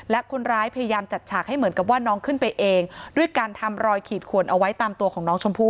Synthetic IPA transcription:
lɛ˦˥kʰo˧nɾaː˦˥jpʰa˧ja˧jaː˧mt͡ɕa˨˩t̪̚t͡ɕʰaː˨˩k̚ha˥˩jmɯ˩˦nka˨˩p̬̚waː˥˩nɔː˦˥ŋkʰɯ˥˩npa˧jʔeː˧ŋdu˥˩əjkaː˧nt̪ʰa˧mɾɔː˧jkʰiː˨˩t̪̚kʰu˨˩ənʔa˧wa˦˥jt̪aː˧mt̪u˧əkʰɔː˩˦ŋnɔː˦˥ŋt͡ɕʰo˧mpʰuː˥˩

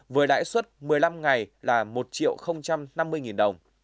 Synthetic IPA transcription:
vəː˨˦jɗa̰ː˧˥jswə˦˥t̚mɨ˨˩əjla˧mŋa˨˩jlaː˨˩mo˨˩t̚t͡ɕḭ˧˨ə˨wxə˧wŋ͡mt͡ɕa˧mna˧mːɨ˧əjŋi˨˩nɗə˨˩wŋ͡m

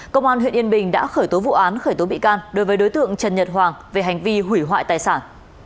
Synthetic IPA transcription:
kə˧wŋ͡mʔaː˧nhwḭ˧˨ənʔi˧ənɓï˨˩ŋ̟ɗa̰ː˧˥xəː˧˩jt̪o˨˦vṵ˧˨ʔaː˨˦nxəː˧˩jt̪o˨˦ɓḭ˧˨kaː˧nɗo˨˦jvəː˨˦jɗo˨˦jt̪ɨ̰˧˨əŋt͡ɕə˨˩nɲə˨˩t̚ɦwaː˨˩ŋve˨˩ɦa˨˩jŋ̟vi˧ɦwi˧˩ɦwa̰ː˧˨jt̪aː˨˩jsaː˧˩n

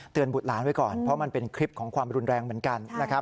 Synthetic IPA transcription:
t̪ɯ˨˧ənbu˨˩t̪̚laː˩˦nwa˧˥jkɔː˨˩npʰɾɔ˦˥ma˧npe˧nkʰɾi˦˥p̚kʰɔː˩˦ŋkʰwaː˧mɾu˧nɾɛː˧ŋmɯ˩˦ənka˧nːa˦˥kʰa˦˥

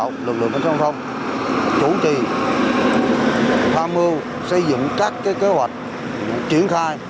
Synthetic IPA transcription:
wlɨ˨˩k̚lɨ̰˧˨ŋʔə˧˩˦sɔ˧wŋ͡mt̪ʰə˧wŋ͡m | t͡ɕu˧˦t͡ɕi˨˩ | haː˧mɨ˧əw | sə˧jzɨ̰˧˨ŋkaː˦˥kːaː˨˦jke˨˦hwa˨˩jk̟̚ | a˨˦t͡ɕi˨˧˩ənxaː˧j

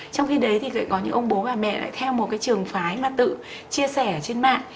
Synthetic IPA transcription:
t͡ɕɔ˧wŋ͡mxi˧ɗə˨˦jt̪ʰi˨˩kə̰˧˨kɔ˨˦ɲɨ̰˧˥ʔə˧wŋ͡mɓo˨˦vaː˨˩mɛ̰˧˨la̰ː˧˨jt̪ʰɛ˧wmo˨˩t̚kaː˨˦jt͡ɕɨ˨˩əŋfaː˨˦jmaː˨˩t̪ɨ̰˧˨ | t͡ɕi˧əsɛ˧˩t͡ɕe˧nma̰ː˧˨n

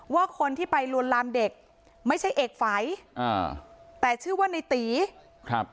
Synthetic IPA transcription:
waː˥˩kʰo˧nt̪ʰiː˥˩pa˧jlu˧ənlaː˧mde˨˩k̚ | ma˥˩jt͡ɕʰa˥˩jʔeː˨˩k̚fa˨˩˦jʔa̰ː˧˩t̪ɛː˨˩t͡ɕʰɯː˥˩waː˥˩na˧jt̪iː˨˩˦ | kʰɾa˦˥p̚

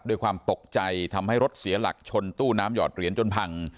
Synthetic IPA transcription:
doː˧jkʰwaː˧mt̪o˨˩k̚t͡ɕa˧jt̪ʰa˧mha˥˩jɾo˦˥t̪̚si˨˩˦ɐla̰˨˩k̚t͡ɕʰo˧nt̪uː˥˩naː˦˥mjɔ̰ː˨˩t̪̚ɾi˨˩˦ənt͡ɕo˧npʰa˧ŋ

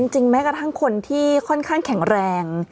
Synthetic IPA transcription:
i˧ŋt͡ɕi˧ŋmɛː˦˥kɾa˧t̪ʰa˥˩ŋkʰo˧nt̪ʰiː˥˩kʰɔ˥˩nkʰaː˥˩ŋkʰɛ˨˩˦ŋɾɛː˧ŋ

